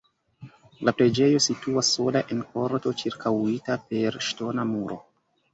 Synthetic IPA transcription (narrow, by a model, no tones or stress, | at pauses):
lapɾe̞d͡ʒe̞jo̞situasːo̞laʔe̞nko̞ɾto̞t͡ʃiɾkʰawitape̞ɾʃto̞namuɾʔo̞̰